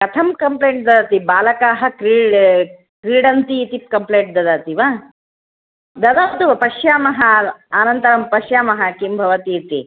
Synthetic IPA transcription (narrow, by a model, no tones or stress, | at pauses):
kɐt̪ʰɐmkɐmpleːɳʈ̚d̪ɐd̪aːt̪ibaːlɐkaːɦɐ̆kɾiːɽ | kɾiːɽɐnt̪iːt̪ip̚kɐmpleːɳʈ̚d̪ɐd̪aːt̪iʋa | d̪ɐd̪aːt̪uʋɐpɐʃjaːmɐɦɐaːnɐnt̪ɐɾɐmpɐʃjaːmɐɦɐkimbʱɐʋɐt̪iːt̪i